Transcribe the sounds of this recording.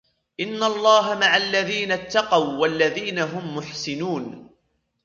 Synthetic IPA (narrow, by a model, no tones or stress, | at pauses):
ʔɪnːalˤːɑːɦamaʕalːaðiːnat̪ːɑqɑwwalːaðiːnaɦʊmːʊħsɪnuːn